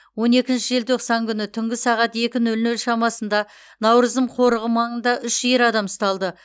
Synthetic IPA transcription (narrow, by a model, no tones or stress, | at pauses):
wo̞ne̞kʲɪnʃɪʒelt̪ʰo̞qsɑŋkʲʰʏnɪt̪ʰʏŋɡʲɪsɑʁɑt̪e̞kʲɪnɵlnɵlʃɑmɑsənd̪ɑ | nɑwɾəzd̪əmqʰo̞ɾəʁəmɑɴənd̪ɑʔʏʃeɾɑd̪ɑməst̪ɑlˠd̪ə